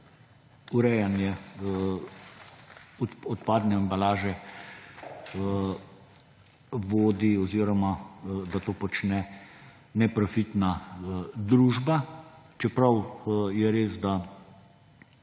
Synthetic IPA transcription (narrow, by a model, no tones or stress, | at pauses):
uɾɛjanjɛ | ɔt̪paːd̪nɛambalaːʒɛ | ʋoːd̪iɔziːɾɔmad̪at̪oːpɔt͡ʃnɛ | nɛpɾɔfit̪na | d̪ɾuːʒbat͡ʃɛpɾawjɛɾeːsd̪a